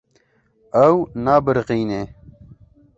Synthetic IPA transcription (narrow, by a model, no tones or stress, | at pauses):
ɐwnaːbəɾqiːneː